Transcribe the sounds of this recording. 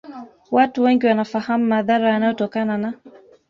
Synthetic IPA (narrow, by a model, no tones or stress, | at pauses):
watuwɛŋɡiwanafahamumaðaɾajanajɔtɔkanana